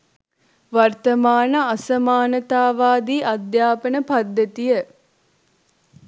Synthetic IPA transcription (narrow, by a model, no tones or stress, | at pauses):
ʋart̪əmaːnəasɐmaːnət̪aːʋaːd̪iːʔɐd̪jaːpənəpad̪ːət̪ijə